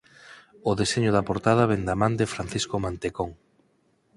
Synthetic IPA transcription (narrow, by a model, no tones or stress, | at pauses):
oðeseɲʊð̞ɐpoɾt̪að̞ɐβend̪amãnd̪efɾanθiskomant̪ekoŋ